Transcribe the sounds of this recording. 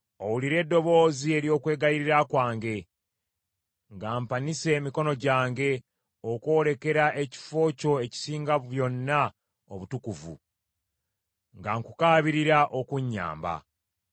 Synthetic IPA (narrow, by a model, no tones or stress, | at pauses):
o̞wuliɾe̞dːo̞βo̞ːzie̞ɾjo̞ːkwe̞ːɡajiɾiɾakwaːŋɡe̞ | ŋɡaːmpanise̞ːmiko̞no̞ɟaːŋɡe̞ | oko̞ːle̞ke̞ɾaʔe̞ci̥fo̞ːco̞e̞ci̥siːŋɡaββjo̞nːa | o̰βutukuvṵ | ŋɡaŋkukaːβiɾiɾaʔo̞kuɲːa̰ːmba̰